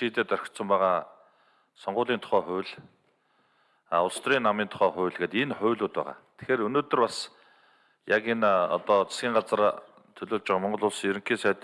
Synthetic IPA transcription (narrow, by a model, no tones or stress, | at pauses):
ʃiːt̪eːt̪œɾʲɪ̆kt̪sə̆mpæːʁaː | sɔɴɢʊːɮiːnt̪ʰʊ̥χæːχʊ̟ːwɮ | aʊɮ̆st̪riːnːamiːnt̪ʰʊ̥χæːχʊ̟ːɮɣeːt̪inχʊ̟ːɮuːt̪̚pæ̰ːʁa̰ːt̪ʰe̥xeːɾɵnoːt̪ɵ̆rpas | jakenɔ̰t̪ɔt͡sʰḁsɡʲiːŋɢat͡sə̆r | t̪ʰɵɮoːɮt͡ɕɪ̆ʁaːmɔɴɢɞ̆ɮʊɮsjɵɾɘ̆ŋkiːnsæːt̪